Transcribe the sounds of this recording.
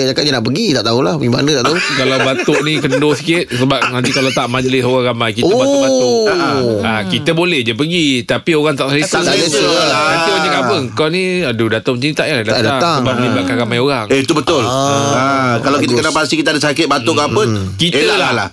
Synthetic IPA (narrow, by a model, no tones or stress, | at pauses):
d͡ʒakat̪ɲanaʔpəɡit̪aʔt̪aulahpəɡima̰nə̃t̪aʔt̪aukalawbat̪oʔnĩkəndosi̥kɪt̪̚səbap̚nant̪ikalawt̪aʔmad͡ʒlɪsoɣaŋɣamajkitoəbaʊbat̪ʊaʔakit̪əbolɛhd͡ʒapəɡit̪apioɣaŋt̪aʔsəlisasaiənaniaɲəkabəŋkɔnĩadudat̪at͡ʃinit̪aʔjaladadaat̪asəbaməlibaʔ̪̚kanɣamajoɣaŋeit̪ubət̪ʊlakalawkit̪əkənabast̪ikit̪əadəsakɪt̪̚bat̪oʔkapən | kiteəlalalah